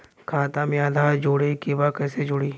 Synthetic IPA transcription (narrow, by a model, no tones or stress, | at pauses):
kʰaːt̪amẽad̪ʱaːɾd͡ʒoːɽekibakɛːsed͡ʒoːɽiː